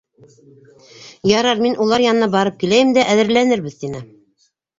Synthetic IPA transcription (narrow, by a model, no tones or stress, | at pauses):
jɑɾɑɾminʔulˠɑɾjɑnɤ̆nɑbɑɾɤp̚kilæjɘmd̪æʔæðɘ̆ɾlænɘɾβɘðt̪inɘ